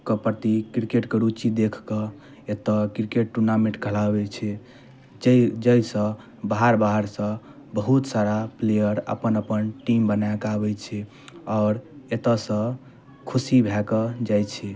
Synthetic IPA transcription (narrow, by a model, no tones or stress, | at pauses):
kəpɾət̪ikɾikeʈkəɾut͡ʃid̪ekʰkə | et̪əkɾikeʈ̚ʈːuɾnamẽʈkʰəlabɛt͡ʃʰɛ | d͡ʒd͡ʒəjsə̃ | baɦaɾbaɦaɾsə̃ | bəɦut̪saɾaplejəɾə̰pənəpənʈimbənajkabɛt͡ʃʰɛ | ɔɾet̪əsə̃ | kʰusibʱɛkəd͡ʒajt͡ʃʰɛ